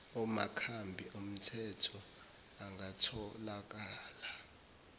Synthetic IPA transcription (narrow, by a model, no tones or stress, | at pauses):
ɔma̰kʰambʱiʔom̩tʰɛtʰɔ | aŋɡatʰɔlak̬ʼaːla